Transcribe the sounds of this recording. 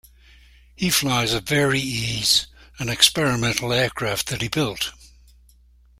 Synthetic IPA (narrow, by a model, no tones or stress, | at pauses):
hiflaɪzəvɛɹiiz̥ə̃nɨkspɛɹɨmɛ̃ntʰˡl̩ˠɛɹkʰɹ̥æft̪̚ðɨt̚hibɪlˠt